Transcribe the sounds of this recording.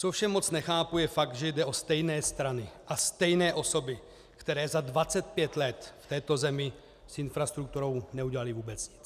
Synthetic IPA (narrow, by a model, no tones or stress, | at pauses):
t͡sofʃɛmo̞t͡snɛxaːpujɛfaɡ̪̚ʒɛjdɛʔo̞st̪ɛjnɛːst̪ɾanɪʔast̪ɛjnɛːʔo̞so̞bɪ | kt̪ɛɾɛːzadvat͡sɛt̪̚pjɛt̪lɛt̪ft̪ɛːt̪o̞zɛmɪ | sɪnfɾast̪ɾuk̚t̪uɾo̞wnɛuɟɛlalɪvuːbɛt͡sɲɪ̥t͡s